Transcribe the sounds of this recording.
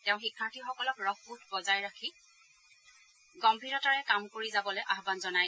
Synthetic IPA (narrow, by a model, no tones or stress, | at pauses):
tɛʊ̃xikʰːaɹtʰixɔkɔlɔkɹɔkbut̚ʰbɔzajɹakʰi | ɡɔmbʱiɹɔtaɹɛkamkoɹizabɔlɔjʔaɦbanzɔnaj